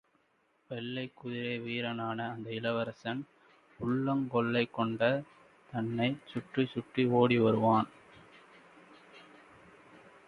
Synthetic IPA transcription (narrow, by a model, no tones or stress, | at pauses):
ʋɛlːɐɪkːʊðɪɾeːʋiːɾɐnaːnɐːnd̪ɐɪlɐʋɐɾɐsɐn | ʊɭːɐŋkɔɭːɐɪkːɔɳɖɐ | t̪ɐnːɐɪt͡ʃʊʈrɯsʊʈːioːɽiʋɐɾɯʋaːn